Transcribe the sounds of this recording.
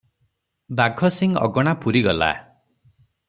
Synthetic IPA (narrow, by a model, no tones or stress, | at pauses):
baɡʱɔsiŋɔ̰ɡɔɽ̃apuɾiɡɔla̰